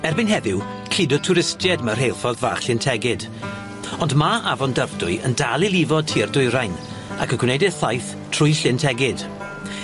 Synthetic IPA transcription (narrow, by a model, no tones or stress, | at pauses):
ɛrbɨnɦɛðɪw | kʰɪdɔtʰʊɾɪstjɛdmər̥ɦejlˠfɔðvaːχɬɪntʰɛɡɪd̥ | ɔndmaʔavɔndəvdʊɨə̰ndalˠilˠivɔd̚tʰirdʊjɾajn | akʰəɡwnejdɛθajθ | tʰrʊɨɬɪntʰɛɡɪd̥